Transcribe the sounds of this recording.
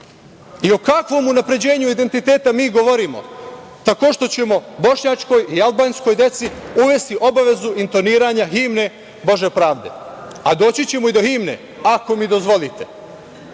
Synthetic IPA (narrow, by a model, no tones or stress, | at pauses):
io̞kakʋo̞munapɾe̞d͡ʑe̞ːɲuid̪e̞nt̪it̪e̞ːt̪amiːɡo̞ʋo̞ɾiːmo̞̰ | t̪ako̞ːʃt̪o̞t͡ɕe̞mo̞bo̞ʃɲat͡ʃko̞jialˠbaːnsko̞jd̪e̞t̪siuʋe̞st̪iʔo̞baʋe̞zuʔint̪o̞niːɾaɲaɦimne̞ | bo̞ʒe̞pɾaːʋd̪e̞̰ | ad̪o̞ːt͡ɕit͡ɕe̞moid̪o̞ximne̞̰ | ako̞mid̪o̞zʋo̞lit̪e̞